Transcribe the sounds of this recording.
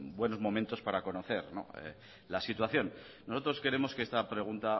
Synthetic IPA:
bwe̞no̞zmõ̞mẽnt̪o̞spaɾako̞no̞θe̞ɾno̞̰ḛ | lasit̪waθjo̞nː | o̞so̞t̪ɾo̞ske̞ɾe̞mo̞skeest̪apɾe̞ɣ̞unt̪a

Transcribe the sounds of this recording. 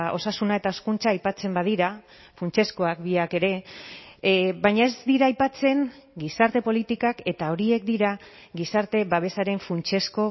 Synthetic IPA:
o̞̰sasunae̞t̪aoskunt͡saːjpat͡se̞mbað̞iɾa | funt͡ʃe̞sko̞akbiake̞ɾe̞ | βajɲae̞zd̪iɾaːjpat͡se̞ŋɡisaɾt̪e̞po̞lit̪ikake̞t̪ao̞ɾie̞k̚d̪iɾa | ɡisaɾt̪e̞βaβ̞e̞saɾe̞ɱfunt͡ʃe̞sko̞

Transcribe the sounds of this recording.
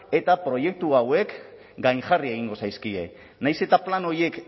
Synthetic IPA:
e̞t̪apɾo̞je̞k̚t̪uawe̞k | ɡajŋʝarie̞ɣ̞iŋɡo̞sajskie̞̰ | najse̞t̪aplano̞ɾje̞k

